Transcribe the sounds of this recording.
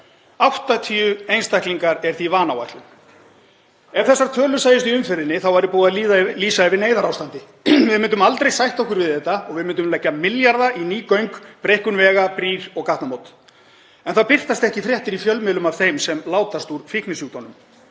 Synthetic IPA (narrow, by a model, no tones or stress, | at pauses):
awht̪at̪ʰiːʏejnst̪ajkliŋkaɾɛɾ̥θivaːnawa̰jht̪lʏn | ɛv̥θɛsːaɾt̪ʰœːlʏsaːjɪst̪iʏmfɛɾðɪnːɪθawvaɾɪpɔːðaliːliːsaɛvɪneːjðaɾawst̪ant̪ɪ | vɪðmɪnt̪̬ʏmalt̪ɾejsajht̪ɔhkʏɾvɪðɛht̪aɔɣvɪðmɪnt̪̬ʏmlɛcːamɪljaɾðaʔiniːkœɥŋkpɾejhkʏnvɛːɣapɾiːɾ̥ɔɣkaht̪namowt̪ | ɛnθawpɪr̥t̪ast̪ɛhcɪfɾjɛht̪ɪɾifjœlmɪːlʏmav̥θejmsɛmlaːwt̪ast̪uɾ̥fɪhknɪsuːɣt̪anʏm